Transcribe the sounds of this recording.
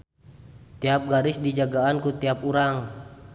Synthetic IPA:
t̪iap̚ɡaɾɪsdid͡ʒaɡaːnkut̪iap̚uɾaŋ

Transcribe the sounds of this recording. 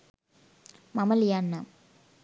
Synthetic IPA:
mɐmɐljaːnːa

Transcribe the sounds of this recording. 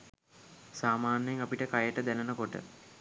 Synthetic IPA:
saːmaːnəjeŋapiʈəkajəʈəd̪ænənəkoʈə̰

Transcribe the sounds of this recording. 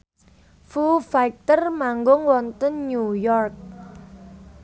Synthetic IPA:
fufaik̚t̪ərmaŋɡʊŋwɔnt̪ənɲujɔrk̚

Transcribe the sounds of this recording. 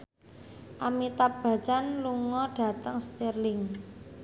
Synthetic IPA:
ʔamit̪ab̥a̤t͡ʃanluŋɔɖ̥a̤t̪əŋst̪erlɪŋ

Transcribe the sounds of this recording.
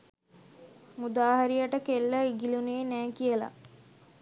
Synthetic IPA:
mud̪aːɦaɾijəʈəkelːəiɡiluneːnæːkijəla̰

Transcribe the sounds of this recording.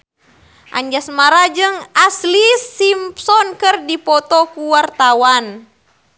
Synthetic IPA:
ʔa̰ɲd͡ʒasmaɾad͡ʒɨŋaslisimpsɔnkɨrdipɔt̪ɔkuwart̪awan

